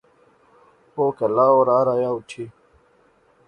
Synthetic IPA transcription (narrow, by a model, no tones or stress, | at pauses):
hoːkɐlaːoɾaːɾajawʈʰi